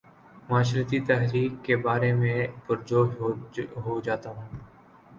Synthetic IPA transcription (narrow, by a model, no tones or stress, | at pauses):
maːʃ̬lət̪iːt̪əɦɾiːkːeːbaːɾeːmẽːpʊɾd͡ʒoː | ɦoːd͡ʒaːt̪aːɦũː